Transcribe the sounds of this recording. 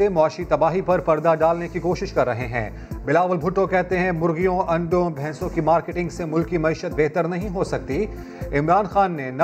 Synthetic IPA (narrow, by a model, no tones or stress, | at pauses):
emʊaːʃit̪ɐbaːɦipɐɾpɐɾd̪aɖaːlnekikoːʃɪʃkɐɾːɐɦeɦɛ̰̃ː | bɪlaːʋəlbʱʊʈːõkɛɦt̪eɦɛ̃mʊɾɣijõʔɐ̃ɳɖõbʱɛ̃ːsõkimaːɾkeʈɪ̃ŋɡsemʊlkimɐiːʃət̪̚beːɦt̪əɾnɐɦĩɦosɐk̚t̪i | ɪmɾaːnxaːnːenɐ